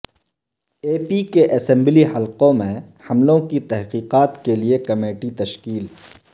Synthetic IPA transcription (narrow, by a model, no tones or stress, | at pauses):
eːpikeʔɐsɛ̃mblihɐlqõmẽ | hɐmlõkit̪ɛɦqiːqaːt̪keliekɐmeːʈit̪ɐʃkiːlɦ